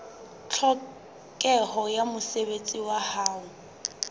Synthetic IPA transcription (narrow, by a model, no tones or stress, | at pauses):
t͡ɬʰɔ | kʼɛhɔjamʊseβet͡sʼiwahaːʊ